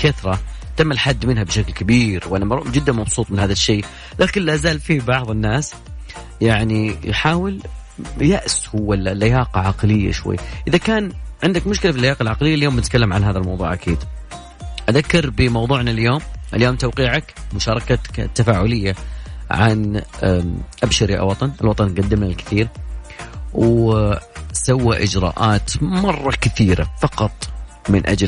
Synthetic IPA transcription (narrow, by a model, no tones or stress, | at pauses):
kaθɾˤɑt̪amːalħad̪ːmɪnhabʃaklkabiːɾwʔanamˤd͡ʒɪd̪ːanmɑbsˤuːt̪ˤmɪnhaːðaʃːeː | laːkɪnlaʔzaːlfibɑʕðˤɪnːaːs | jaʕnijħaːwɪl | jaʔshʊwːallːajaːqɑʕɑqlɪjːa̰ʃwa̰jːaʔɪðakaːnʕɪnd̪akmʊʃkɪlafilːajaːqɑlʕɑqlɪjːaljoːmnɪt̪kalːamʕanɦaːðalmɑ̰wðˤuːʕʔakʰiːd̪ | ʔaðakːɑɾbɪmɑwðˤuːʕnaljoːmʔɪljoːmt̪awqiːʕakmʊʃɑːɾˤɑkat̪ːafaːʕʊlɪjːaʕa̰n | ʔabʃaɾiʔa̰wɑt̪ˤɑnɪlwɑt̪ˤɑnɡad̪ːɪmnalkɪ̥θiːɾ | w | sawːaʔɪd͡ʒɾɑ̰ːʔaːt̪mɑrˤːɑkɪθiːɾa̰fɑqɑt̪ˤ | mɪnʔa̰d͡ʒl